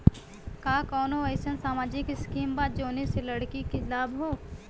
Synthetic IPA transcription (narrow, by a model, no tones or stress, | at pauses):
kaːkɔːnoɐɪsənsaːmaːd͡ʒɪkɪskiːmbaːd̪̚d͡ʒoːneselɐɽkikilaːbɦoː